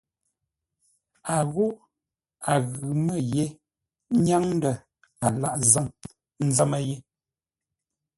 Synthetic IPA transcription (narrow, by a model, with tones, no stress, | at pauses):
a˨ɣo˦ʔ | a˨ɣʉ˨mə˦˨je˦ | ɲa˦ŋn˦də˨ | a˨la˦ʔzə˦˨ŋ | n̩˦zə˦mə˦je˦